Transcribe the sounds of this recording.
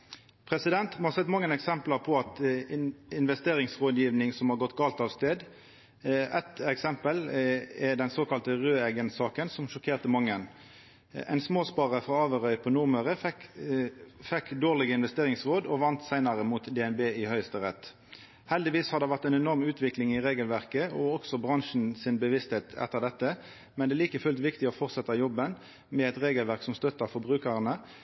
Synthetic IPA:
pʰʁɛsɪd̪ɛnt̪mhɑːsɛt̪mɑŋːənɛksɛmpləʁpʰɔɑt̪ | ɪnʋɛst̪eːʁɪŋsʁoːd̪jiːʋnɪŋsɔmhɑːɡɔt̪ːɡɑːlt̪ɑːʋst̪eːd̪ | ɛt̪ɛksɛmpəlɛd̪ɛnsoːkɑlt̪əʁøːɛɡənsɑːkənsɔmʃɔkʰeːʁt̪əmɑŋːən | ɛ̰ɪnsmoːspɑːʁəfʁɑɑːʋəʁœʏpʰɔnʊʁməʁə | fɛkːd̪oːʁlɪɡəɪnʋɛst̪eːʁɪŋsʁoːd̪ɔʋɑnt̪sæɪnɑʁəmuːt̪d̪ɛɛnbeːɪhœʏəst̪əʁɛt̪ː | hɛld̪ɪʋiːshɑd̪ɛʋæʁt̪ɛɪnɛnɔʁmʉːt̪ʰʋɪklɪŋɪʁeːɡəlʋæʁkəɔɔksɔbʁɑŋʃn̩sɪnbəʋɪst̪heːt̪ʰɛ̰t̪ːəʁd̪ɛt̪ːə | mɛnd̪ɛːliːkəfʉlt̪ʋɪkt̪ɪɔfɔʁt̪sɛt̪ːɑjɔbən | mɛɛt̪ʁeːɡəlʋæʁksɔmst̪œt̪ːəfɔʁbʁʉːkəʁənə

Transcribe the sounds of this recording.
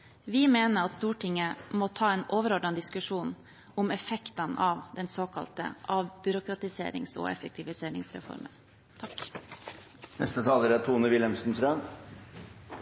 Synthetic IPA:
ʋɪmeːnəɾɑt̪st̪uːʈʰɪŋːəmɔt̪ʰɑːɛːnoːʋəɾɔɖɑnd̪ɪskʉʂuːn | ʊmɛfɛkt̪ɑnɑːʋd̪ɛnsoːkʰɑ̰lt̪ə̰ʔɑbʏɾʊkɾɑt̪ɪsḛːɾɪ̰ŋso̰ːɛ̰fɛk̚t̪ʰɪʋɪseːɾɪ̰ŋsɾɛ̰fɔ̰ɾmə̰n | t̪ʰɑk | nɛ̰st̪ət̪ʰɑːləɾæt̪ʰuːnəʋɪlɛmsn̩t̪ʰɾœn

